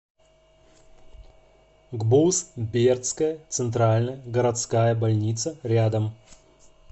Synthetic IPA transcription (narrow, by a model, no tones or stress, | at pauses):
ɡbusbʲert̪skəjət̪sɨnt̪ɾalʲnəjəɡəɾɐt̪skajəbalʲnʲit̪səɾʲad̪əm